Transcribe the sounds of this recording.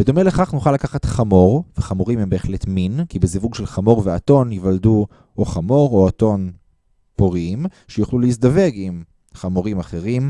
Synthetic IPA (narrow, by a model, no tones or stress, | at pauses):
vedo̞me̞leχaχnuχalakaχatχamo̞ʁveχamoʁimembeeχle̞tminkibezivuɡʃelχamo̞ʁveato̞nivaldu | oχamo̞ʁoato̞n | poʁiimʃejuχluleis̬dave̞ɡim | χamoʁimaχe̞ʁim